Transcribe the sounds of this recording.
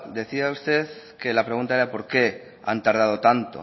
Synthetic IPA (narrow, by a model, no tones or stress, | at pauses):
d̪e̞θiaust̪e̞ð | ke̞lapɾe̞ɣ̞unt̪aeɾapo̞ɾke̞ | a̰nt̪aɾð̞að̞o̞t̪ant̪o̰